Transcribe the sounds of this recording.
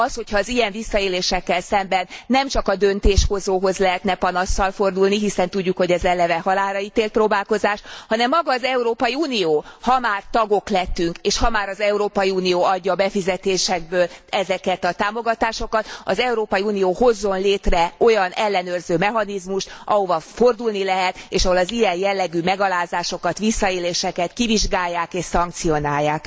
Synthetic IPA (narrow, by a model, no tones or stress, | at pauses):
ɒsho̞chɒːzijɛɱvisːɒeːleːʃɛkːɛlsɛmbɛnːɛmt͡ʃɒkɒd̪ønt̪eːʃho̞zoːɦo̞zlɛɦɛt̪nɛpɒnɒsːɒlfo̞rd̪ulniɦisɛnt̪uɟːukho̞ɟɛzɛlɛvɛɦɒlaːɾɒit̪eːlt̪̚proːbaːlko̞zaːʃhɒnɛmːɒɡɒːzɛuɾoːpɒjiuːnijoːhɒmaːrt̪ɒɡo̞klɛt̪ːyŋkeːʃhɒmaːɾɒzɛuɾoːpɒjiuːnijoːɒɟːɒːbɛfizɛt̪eːʃɛɡ̚bøːlɛzɛkɛt̪ɒt̪aːmo̞ɡɒt̪aːʃo̞kɒt̪ɒzɛuɾoːpɒjiuːnijoːho̞zːo̞nleːt̪rɛo̞jɒnɛlːɛnøːrzøːmɛɦɒnizmuʃt̪ɒ̰ɦovɒfo̞rd̪ulnilɛɦɛt̪eːʃɒɦo̞lɒzijɛnjɛlːɛɡyːmɛɡɒlaːzaːʃo̞kɒt̪ʋisːɒeːleːʃɛkɛt̪kiviʒɡaːjːaːkeːʃsɒŋk̚t̪sio̞naːjːaːk